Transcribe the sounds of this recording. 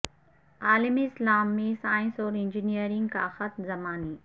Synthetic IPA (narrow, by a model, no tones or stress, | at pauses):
aːlɪmiɪslaːmːisaːɪ̃nsɔːɾɪ̃nd͡ʒinijəɾĩŋɡka̰xɐt̪zɐmaːniː